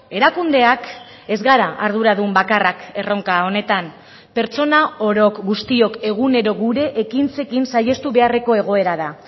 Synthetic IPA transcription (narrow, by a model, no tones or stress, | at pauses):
e̞ɾakund̪e̞ak | e̞zɣaɾaʔaɾð̞uɾaðumbakarake̞ro̞ŋkao̞ne̞t̪am | pe̞ɾt͡so̞nao̞ɾo̞kɡust̪io̞ke̞ɣ̞une̞ɾo̞ɣuɾe̞ʔekint͡se̞kinsaje̞st̪uβe̞are̞ko̞e̞ɣ̞o̞e̞ɾaða